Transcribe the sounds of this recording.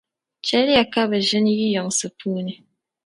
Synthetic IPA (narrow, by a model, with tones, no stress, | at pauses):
t͡ʃɛ˦la˨ka˦bə˨ʒɨ˦n˦ɣi˦jɔ˨ŋsɨ˨pʰu˦ni˨